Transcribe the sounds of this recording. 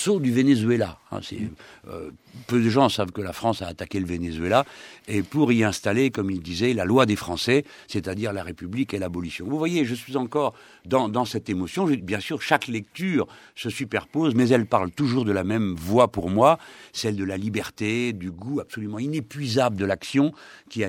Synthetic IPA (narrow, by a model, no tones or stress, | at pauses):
sod̪yvenezɥela̰ɛ̰̃sɛ̰ø̰pød̪əʒɑ̃savkəlafχɑ̃saːt̪akʲeləvenezɥelaepuʁiɛ̃st̪alekɔmild̪izɛlalwad̪efχɑ̃sɛ | set̪ad̪iʁlaʁepyblikelabɔlisjɔ̃vuvwajeʒəsɥizɑ̃kɔʁ | d̪ɑ̃d̪ɑ̃sɛt̪emɔsjɔ̃ʒbjɛ̃syʁʃaklɛk̚t̪yːʁ | səsypɛʁpozmɛzɛlpaʁlt̪uʒuʁd̪əlamɛmvwapuʁmwasɛld̪əlalibɛʁt̪ed̪yɡuapsɔlymɑ̃inepɥizabləd̪əlaksjɔ̃kʲia